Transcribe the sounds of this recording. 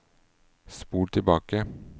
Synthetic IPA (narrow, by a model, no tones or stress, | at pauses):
spuːʈʰɪbɑːkə